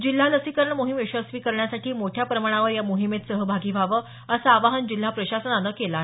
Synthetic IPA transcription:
d͡ʑil̤ːaləsikəɾɳəmoɦimeɕəsʋiːkəɾɳjasaʈʰiːmoʈʰjapɾəmaɽ̃aʋəɾjamoɦimet̪səɦəbʱaɡiːʋʱaʋə | əsaːʋaɦənd͡ʑil̤ːapɾəɕasənanəkelaɦ

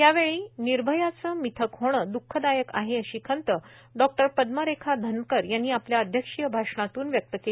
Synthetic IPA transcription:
jaʋeɭiːniɾbʱəjat͡səmit̪ʰəkɦoɽ̃əd̪ukʰːəd̪ajəka̰ɦeəɕiːkʰənt̪ə | ɖɔk̚ʈəɾpəd̪məɾekʰad̪ʱənkəɾjanːiːapljaəd̪ʱjəkʂijəbʱaʂɳat̪uːnʋjək̚t̪əkel

